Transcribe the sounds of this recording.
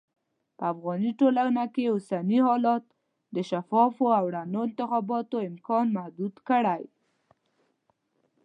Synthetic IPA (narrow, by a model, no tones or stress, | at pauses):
pəafɣɑniʈolanakeʊsaniɦɑlɑt̪ | d̪əʃafɑfoawɽanoɪnt̪ɪxɑbɑt̪oɪmkɑnmahd̪ud̪kəɽaj